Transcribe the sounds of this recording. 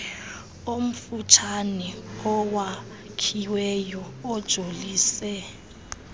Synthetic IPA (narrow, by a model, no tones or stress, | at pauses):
om̩fut͡ʃʰanɛɔwa | kʰiwɛjɔːd̥ʒ̥ʱoliːsɛ